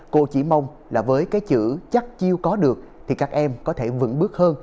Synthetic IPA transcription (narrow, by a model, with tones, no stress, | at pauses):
ko̰˧˨t͡ɕi˧˩ma˧wŋ͡m | laː˨˩vəː˨˦jkaː˨˦jt͡ɕɨ̰˧˩t͡ɕa˦˥t̚t͡ɕi˧əwkɔ˨˦ɗɨ˨˩ək̚t̪ʰi˨˩kaː˦˥k̚ʔɛ˧mkɔ˨˦t̪ʰe˧˩vɨ̰˧˩˥ŋɓɨ˦˥ək̚həː˧n